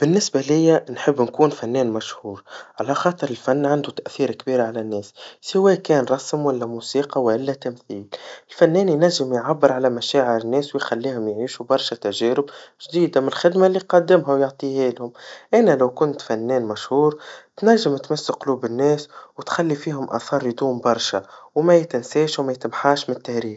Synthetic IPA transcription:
b̥ɪnːɪsbalɪjːænħəbːnkuːnfænːɛːnmæʃhuːɾʕalæxɑːt̪ˤɨɾɪlfænːʕand̪ut̪æʔθiːɾkbiːɾʕalænːɛːssɪwɛːkɛːnɾˤɑsmwælːæmuːsiːqɑwʔɪlːæt̪æmθiːlɪlfænːɛːnjnæʒːɪmjʕabːəɾʕalæmæʃæːʕɪɾɪnːɛːswɪjxælːiːhʊmjʕiːʃubɑɾˤʃæt̪æʒɛːɾɪbʒd̪iːd̪amɪnɪlxɪd̪malːiqɑd̪ːɪmɦawjʊʕt̪ˤiːhiːlhʊmʔænælæwkʊnt̪fænːɛːnmæʃhuːɾt̪næʒːɪmt̪masːaqʊluːbɪnːɛːswt̪xælːifiːɦʊmʔɑ̰θɑːɾˤjd̪uːmbɑɾˤʃawmæjt̪ɪnseːʃwmæjt̪ɪmħaːʃmɪnt̪ːahɾiːɾ

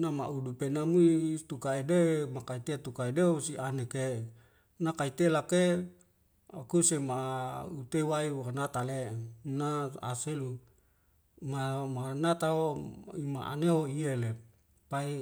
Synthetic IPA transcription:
nama̰ʔudupenamuit̪ukaedemakait̪et̪ukaedeosianeke | nakait̪elake | akusemaut̪ewaianat̪alenaa̰selu | mamanat̪aoima̰ʔa̰neɦoiele | pai

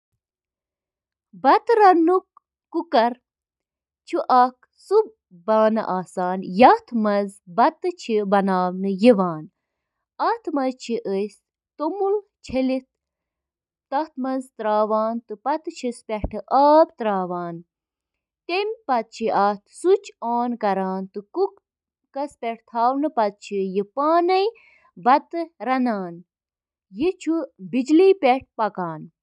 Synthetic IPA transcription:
bɐt̪ɾɐnukː | ukɐɾ | t͡ʃʰuʔɐk̚ | sub̚ | baːnɐ̰ʔaːsaːnjɐt̪ʰmɐzbɐt̪ɨt͡ʃʰibɐnaːʋnɨjiʋaːn | ɐt̪ʰmɐzt͡ʃʰiʔəs | t̪omult͡ʃʰelit̪̚ | t̪ɐht̪mɐnzt̪ɾaːʋaːnt̪ɨpɐt̪ɨt͡ʃʰispʲeʈʰɨʔɐːb̚t̪ɾaːʋaːn | t̪emʲpɐt̪̚t͡ʃʰiʔɐːt̪ʰsut͡ʃʰoːnkɐɾaːnt̪ɨkuk | kɐspʲeʈ̚ʰt̪ʰaːwnɨpɐt̪̚t͡ʃʰijipaːnɐj | bɐt̪ɨɾɐnaːn | jit͡ʃʰubid͡ʒliːpʲeʈ̚pɐkaːn

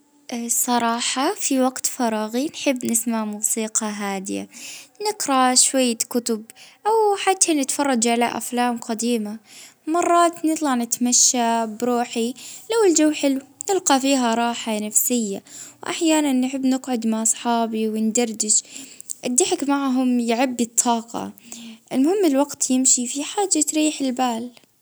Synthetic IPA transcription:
ʔsˤɑɾˤɑːħɑfiwaɡt̪fɑɾˤɑːɣinħɪbːnɪsmaʕmuːsiːqɑɦaːd̪ɪ̰ja̰nɪqɾaʃwajːakʊt̪ʊbʔawħat̪ːanɪt̪fɑrˤːɑd͡ʒʕalaʔa̰flaːmqad̪iːma | mɑrˤːɑːt̪nɨt̪ˤlɑʕnɪt̪maʃːabɾuːħilawɪld͡ʒawːħɪlwnɪlqɑfiːɦaɾˤɑːħanafsɪjːawʔa̰ħjaːnanːħɪbːnɪɡʕʊd̪maʕsˤħɑːbiwɪnd̪ɑɾˤd̪ɪʃʔɪd̪ːɪħɪkmaʕɦʊmjɪʕabːit̪ˤʰːɑːqɑ̰ʔɪlmʊhɪmːɪlwaɡt̪ʰjɪmʃifiħaːd͡ʒːat̪ɾiːħɪlbaːl

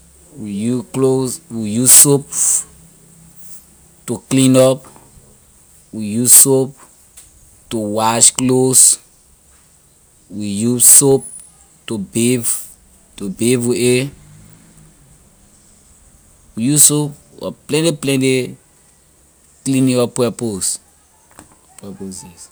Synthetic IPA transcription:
wijukloswijuzsop̚ | tuklĩnɔp | wijusop̚ | tuwaʃklos | wijusop̚ | tubev | tubeviʔe | wijusop̚ | wa̰plɛ̃ntiplɛ̃nti | klĩnĩɔpːɛpos | pɛposis

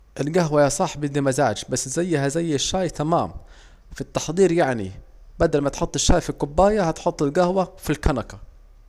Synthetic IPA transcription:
ʔɪlɡaɦwajasˤɑħbɪd̪imazaːd͡ʒbasːzajːhazajːɪʃːaːjt̪amaːm | fit̪ːɑħd̪ˤiːɾjaʕnḭbad̪almat̪ħot̪ˤːɪʃːaːjfikʊbːaːjahat̪ħot̪ˤːɪlɡahwafilkanaka

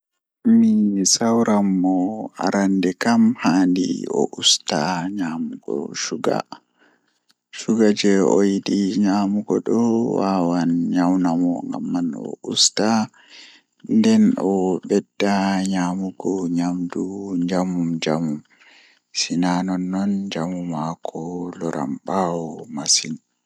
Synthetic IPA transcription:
misawɾamːɔa̰ɾandɛkamhaːndḭɔ̰ʔustaɲaːmuɡɔ̰ʃuɡa̰ | ʃuɡad͡ʒɛɔjidiɲaːmuɡɔ̰ɗɔwawanɲawnamɔŋɡa̰mːanɔ̰ʔusta | ndɛnɔɓɛdːaɲaːmuɡɔɲamduɲd͡ʒamumd͡ʒamum | sinanɔnːɔnd͡ʒamumakʰɔlɔɾa̰mɓawɔmasin

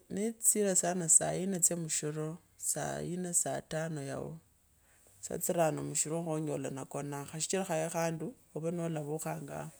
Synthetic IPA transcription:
nit͡siɾasanasa̰inat͡semuʃiɾo | sa̰inasatano̞ja̰wo̰ | sa̰t͡siɾanomuʃuɾoŋxoɲolanako̞naxaʃi̥t͡ʃiɾaxajexaːnduoβanolaβuxaːŋɡa̰

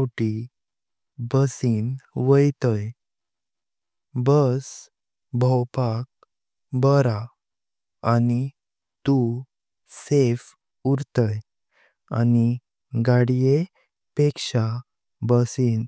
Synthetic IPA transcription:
ʈi | bəsinʋəjt̪əj | bəs | bʱəwpak̚ | bəɾa | ani | t̪u | sef | uɾt̪əj | a̰ni | ɡaɽije | pekʂa | bəsiːn

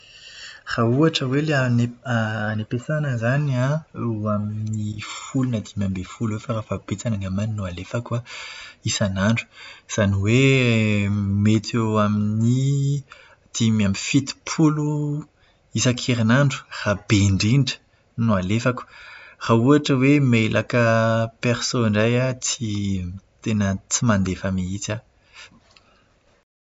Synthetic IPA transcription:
rauaʈ͡ʂəweleaneːnepesanəzanaeaminifulunad̪imambefulwefaɾafab̥et͡sananamaninualefakaisanaɳɖ͡ʐu̥z̥aniwe | met̪ewamini | d̪̥imamifit̪i̥pʰulu | isakʰiɾinaɳɖ͡ʐu̥rab̥eɳɖ͡ʐiɳɖ͡ʐə̥ | nualefaku̥rauaʈ͡ʂəwemelʔakəpeɾsoiɳɖ͡ʐajat͡sit̪enət͡simand̪efamiit͡sa

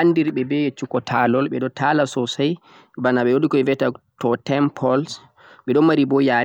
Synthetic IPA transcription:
andiɾɓɛbɛjet͡ʃːukɔtʰalɔlɓɛɗɔtʰalasɔsaj | banaɓɛwoɗikɔɛvɛtatɔtɛmpʰɔls | ɓɛɗɔmaɾibɔja

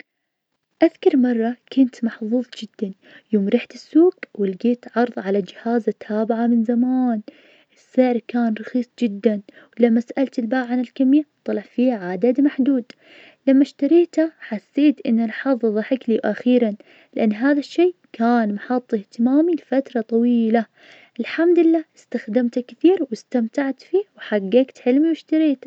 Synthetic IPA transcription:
ʔaðkɑɾˤmɑrˤːɑkʊnt̪mɑħðˤuːðˤd͡ʒɪd̪ːan | joːmɾɪħt̪ɪsːuːɡwɪlɡeːt̪ʕɑɾˤðˤʕalad͡ʒɪhaːzat̪ʰːaːbɪʕamɪnzamaːn | ʔɪsːɪʕɾkaːnɾˤɑxiːsˤd͡ʒɪd̪ːan | wlamːasaʔalt̪ɪlbaːʕʕanɪlkamjat̪ˤːɑlɑʕfiːhʕaːd̪ad̪maħd̪uːd̪ | lamːaʃt̪aɾiːt̪aħasːeːt̪ʔɪ̰nːalħɑðˤðˤɑħɪkliwʔaxiːɾan | lɪʔanːɦaːðaʃːeːkaːnmaħɑt̪ˤːɪht̪ɪmaːmilfat̪ɾˤɑt̪ˤɑwiːla | ʔɪlħamd̪ɪlːaːɪst̪axd̪ɪmt̪akθiːɾwɪst̪amt̪aʕt̪fiːwħaɡːeːkt̪ħɪlmiwɪʃt̪aɾiːt̪

